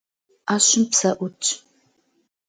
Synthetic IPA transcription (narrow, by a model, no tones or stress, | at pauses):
aːɕɪmpsɐʔʷʊt͡ʃʼ